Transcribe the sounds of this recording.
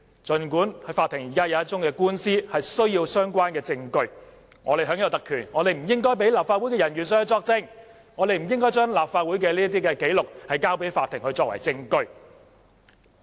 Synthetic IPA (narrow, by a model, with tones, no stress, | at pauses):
t͡sɵ˨nkuː˨˥nhɐ˨˧jfaː˧t̪ʰːɪ˨˩ŋjiː˨˩kaː˥jɐ˨˧wɐ˥t̚t͡sʊ˥ŋkɛː˧kuː˥nsiː˥hɐ˨jsɵ˥ɥjiː˧wsœː˥ŋkʷwaː˥nkɛː˧t͡sɪ˧ŋkɵ˧ɥ | ŋɔ̰ː˨˧e˨jɦœː˨˥ŋjɐ˨˧wt̪ɐ˨kʰyː˨˩nŋɔː˨˧t̪e˨jm̩˨˩jɪ˥ŋkɔː˥jpe˨˥jlaː˨pfaː˧t̚wu˨˥jkɛː˧jɐ˨˩nɥyː˨˩nsœ˨˥hɐ˧wt͡sɔː˧k̚t͡sɪ˧ŋ | ŋɔː˨˧t̪e˨jm̩˨˩jɪ˥ŋkɔː˥jt͡ʃœː˥ŋlaː˨p̚faː˧t̚wuː˨˥jkɛː˧liː˥ɐ˥t̪̬iː˥kɛː˧ke˨˥jlʊ˨k̚hɐ˨jkaː˥wpe˨˥jfaː˧t̪ʰːɪ˨˩ŋhɵ˧ɥt͡ʃɔː˧k̚wɐ̰˨˩jt͡sɪ˧ŋkɵ˧ɥ